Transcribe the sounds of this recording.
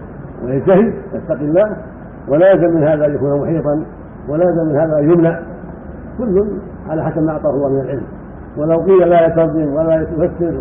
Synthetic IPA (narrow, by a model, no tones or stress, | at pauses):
wʔa̰jat̪ahɪd̪ja̰st̪aqɪlːaːh | walaːjzamɪnhaːðaʔanjakuːnamʊħiːt̪ˤɑn | walajazamɪnhaːðaʔajʊmnaʕ | kʊlːʊn | ʕa̰laːħasabmaʔɑʕt̪ˤɑːhʊlˤːɑːhmɪnalʕɪlm | walawqijːalaːjat̪ɑd̪ˤɪmwalajʊhasːɪɾ